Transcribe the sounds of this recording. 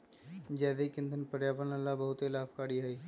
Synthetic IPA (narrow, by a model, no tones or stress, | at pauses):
d͡ʒɛːd̪eikɪ̃nd̪ʱənpəɾjaːpənalːabəɦʊt̪elaːpkaːɽiɦaiː